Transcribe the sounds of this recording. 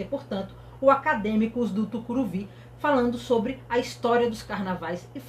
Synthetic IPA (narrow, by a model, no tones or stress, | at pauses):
epoɾt̪ɐ̃nt̪ʊ̥ | ʊakad̪ẽmikʊzd̪ʊt̪ukuɾuvi | falɐ̃nd̪ʊsobɾɪɐist̪ɔɾiɐd̪ʊskaɾnavajsɪf